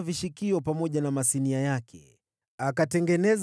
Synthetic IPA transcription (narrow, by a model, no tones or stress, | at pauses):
viʃikiɔpamɔʄanamasiniajakʰɛ | akatɛŋɡɛnɛz